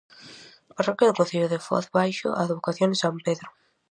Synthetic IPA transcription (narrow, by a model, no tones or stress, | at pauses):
parɔkjɐðʊkõn̟θiʎʊðefɔ̰θβajʃʊ̰ʔa̰eðβokaθjõnesampeðɾʊ